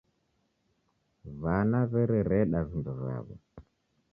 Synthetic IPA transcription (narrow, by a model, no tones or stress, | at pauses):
βanaβɛɾɛɾɛɗazinduza̰ːβɔ̰